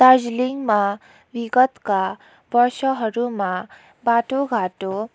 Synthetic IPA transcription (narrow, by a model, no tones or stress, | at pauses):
t̪ad͡ʒliŋɡmã | ʋiɡət̪ka | bəɾʃəɦəɾumã | baːʈoɡʱaːʈo